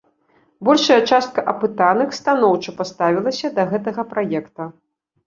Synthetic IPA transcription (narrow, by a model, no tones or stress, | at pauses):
bɔlʲʂɐjɐt͡ʂast̪̚kɐʔɐpɨt̪anɐxst̪anɔwt͡ʂɐpast̪avʲilˠɐsʲɐd̪ɐɣɛt̪̬ɐɣɐpɾajɛkt̪ɐ